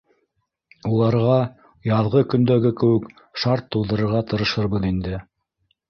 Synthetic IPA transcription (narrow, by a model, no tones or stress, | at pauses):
ulˠɑɾʁɑ | jɑðʁɤkɵ̆nd̪æɡɘkɘ̆wɘk | ʃɑɾt̪ːulˠd̪ɤ̆ɾɤ̆ɾʁɑt̪ɤ̆ɾɤ̆ʃɤɾbɤðind̪ɘ